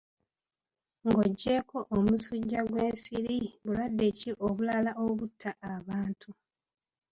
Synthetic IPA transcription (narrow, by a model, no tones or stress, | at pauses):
ŋɡo̞ɟːe̞ːko̞ʔomusuɟːaɡwe̞ːnsiɾiβulwadːe̞ciʔoβulalaʔoβutʰːaʔːβaːntʰu